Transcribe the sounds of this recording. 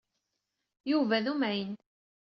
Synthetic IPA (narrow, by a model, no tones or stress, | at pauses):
juvæðumæjən